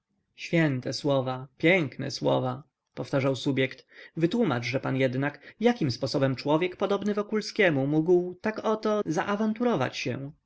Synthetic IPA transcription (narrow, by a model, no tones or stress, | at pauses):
ɕfʲjɛnt̪ɛswɔvapʲjɛŋknɛ̰swɔ̰va | pɔft̪aʐawsubʲjɛkt̪vɘt̪wumad͡ʐʐɛpanjɛd̪nakjakʲimspɔsɔbɛmt͡ʂwɔvʲjɛkpɔd̪ɔbnɘvɔkulskʲɛmumuɡwt̪akɔt̪ɔza̰ʔavant̪uɾɔva̰t͡ɕɕɛ̰